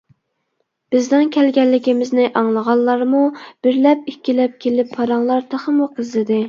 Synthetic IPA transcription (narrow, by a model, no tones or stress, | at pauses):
b̥ɪzd̪ɪnkʲʰɛlɡʲɛlːɪɡʲimɪznɪʔɑŋlˠəʁɑlˠːɑɾmub̥ɪɾlɛpikʲːilɛp̚kʲʰelɪpʰːɑɾɑŋlˠɑɾt̪ʰɑχəmuqʰəzlɨd̪ɪ